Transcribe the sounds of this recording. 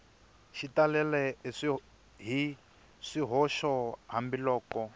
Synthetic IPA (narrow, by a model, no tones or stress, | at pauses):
ʃitalɛlɛiʂi | ɦi | ʂiɦɔʃɔɦambilɔːkɔ